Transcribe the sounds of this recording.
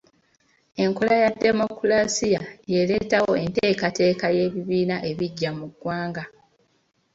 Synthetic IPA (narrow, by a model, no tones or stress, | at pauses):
e̞ŋko̞lajadːe̞mo̞kulasijajele̞tawo̞e̞nteːkate̞ːkaje̞ːβiβiːnaʔe̞βiɟːamuɡwaːŋɡa